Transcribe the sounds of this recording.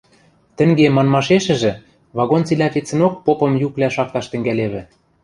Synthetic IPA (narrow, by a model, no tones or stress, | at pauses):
t̪ɘ̆ŋɡemɑnmɑʃeʃɘ̆ʒɘ̆ | βɑɣont͡silæpet͡sɘ̆nok̚popɤ̆mjuklæʃɑk̚t̪ɑʃt̪ɘ̆ŋɡæleβɘ̆